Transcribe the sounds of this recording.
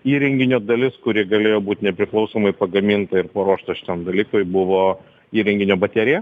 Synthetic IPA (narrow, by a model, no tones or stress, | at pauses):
iːɾʲɛŋʲɡʲɪnʲoːd̪ɐlʲɪskʊɾʲiɛɡɐlʲeːjoːbuːt̪ʲnʲɛpʲɾʲɪklˠɐʊsoːmɐɪpɐɡɐmʲiːnt̪ɐɪɾpɐɾuɔːʃt̪ɐʃʲɪ̥t̪ʲɛmd̪ɐlʲiːkoɪbʊʋoː | iːɾʲɛŋʲɡʲɪnʲoːbɐt̪ʲɛɾʲɪjɛ